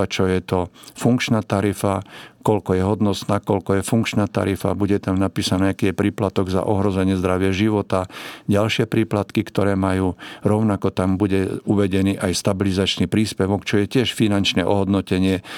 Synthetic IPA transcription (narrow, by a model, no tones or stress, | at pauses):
at͡ʃɔjɛt̪ɔfuŋkt͡ʃnaːt̪aɾifakɔlkɔjɛɦɔd̪nɔsnaːkɔlkɔjɛfuŋkt͡ʃnat̪a̰ɾifa̰buɟɛt̪amnapiːsanɛːakiːjɛpɾiːplat̪ɔɡza̰ʔɔɦɾɔzɛɲɪɛzd̪ɾaʋɪɛʒiʋɔt̪aɟalʃɪɛpɾiːplat̪kikt̪ɔɾɛːmajuːɾɔʊnakɔt̪ambuɟɛuʋɛɟɛniːʔajst̪abilizat͡ʃnipɾiːspɛʋɔkt͡ʃɔjɛcɪɛʃfinant͡ʃnɛʔɔɦɔd̪nɔcɛɲɪɛ